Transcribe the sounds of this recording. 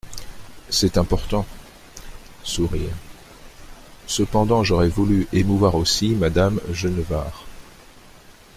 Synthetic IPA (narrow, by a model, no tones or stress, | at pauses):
sɛt̪ɛ̃pɔʁt̪ɑ̃ | suʁḭʁ | səpɑ̃d̪ɑ̃ʒɔʁɛvulyʔemuvwaʁosimad̪amʒənvaːʁ